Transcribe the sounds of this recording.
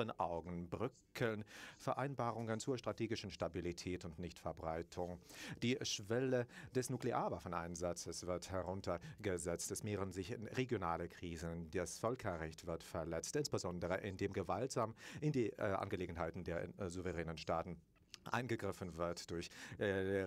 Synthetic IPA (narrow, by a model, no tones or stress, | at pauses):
ənʔa̰ʊɡŋ̩bʁʏkʰəlnfɛɐʔaɪnbaːʁʊŋənt͡suːɐʃtʁ̥atʰeːɡɪʃn̩ʃtabilitʰɛːtʊntnɪçtfɛɐbʁaɪtʰʊŋd̥iːʃv̥ɛləd̥ɛsnukleʔaːɐvafɔnʔa̰ɪnzat͡səsv̥ɪɐthɛʁʊntʰɐɡəzɛt͡stɛsmeːʁənzɪçɪnʁeɡjonaːləkʁ̥iːzədasfœlkʰɐʁɛçtv̥ɪɐtfɛɐlɛt͡stʔɪnsb̥əzɔndəʁəʔɪndeːmɡəvaltz̥aːmʔɪndiːʔa̰nɡəleːɡŋ̩ɦaɪtn̩deːɐ̰zuvəʁɛːnənʃtaːtn̩ | ʔa̰ɪnɡəɡʁɪfən̩vɪɐtd̥ʊɐç